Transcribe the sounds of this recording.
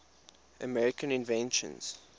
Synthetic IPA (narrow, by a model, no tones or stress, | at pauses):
ə̰mɛɹɪkə̃nɪ̃nvɛ̃nʃə̰̃nz̥